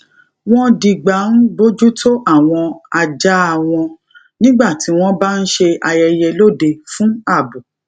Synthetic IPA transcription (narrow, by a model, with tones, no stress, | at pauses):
w̃ɔ̃˦di˨˧ɡ͡ba˨˦n̩˦bo˦d͡ʒu˦tʰo˦ʔa˦˨w̃ɔ̃˧a˧d͡ʒa˦a˨w̃ɔ̃˧ | nĩ˦ɡ͡ba˦˨ti˨˦w̃ɔ̃˦ba˦n̩˦ʃe˧a˧jɛ˧jɛ˧lo˦˨de˧fũ˦a˦˨bu˨